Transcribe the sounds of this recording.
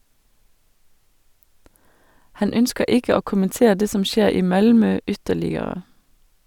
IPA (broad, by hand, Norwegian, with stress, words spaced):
ˈhɑn ˈœnskə ˈɪkə ˈoː kʊmənˈteː ˈdeː ˈsɔm ˈʃeːɾ ˈiː ˈmɑlmœ ˈʏtəlɪəɾə